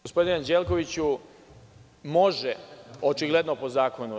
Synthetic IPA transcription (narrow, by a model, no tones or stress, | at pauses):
ospo̞d̪inand͡ʑelko̞ʋit͡ɕu | mo̞ʒeot͡ʃiɡled̪nopo̞zaːko̞nu